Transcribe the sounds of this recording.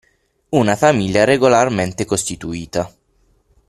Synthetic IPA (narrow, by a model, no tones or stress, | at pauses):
unafamiʎjaɾeɡolarment̪ekost̪it̪uiːt̪a